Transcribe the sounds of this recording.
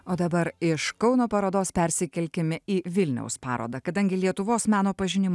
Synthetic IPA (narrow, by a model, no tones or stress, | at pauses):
oːd̪ɐbɐɾɪʃkɒʊnoːpɐɾoːd̪oːspʲɛɾʲsʲɪkʲɛlʲkʲɪmʲɪiːʋʲɪlʲnʲɛ̰ʊspɑːɾo̰ːd̪ɐkɐd̪ɐŋʲɡʲɪlʲiɛt̪ʊʋoːsmʲæːnoːpɐʒʲɪnʲɪmː